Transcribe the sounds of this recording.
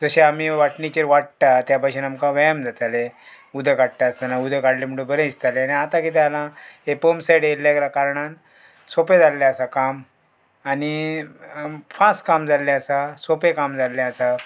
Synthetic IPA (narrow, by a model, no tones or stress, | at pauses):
d͡zəɕeamiʋaʈnit͡ɕeɾʋaʈt̪at̪japaɕiːnamkãʋajamd͡zʱat̪ale | ud̪ʱekaɽt̪aəst̪anaud̪ʱekaɽlem̤əɳɽũbʱəɾẽist̪aleaniat̪ãkit̪̬ealãɦepomsajɽelːakɾakaɾɳan | sopẽd͡zalːjaːsakam | ani | fãskamd͡zʱalːaəsasopekamd͡zʱalːaasa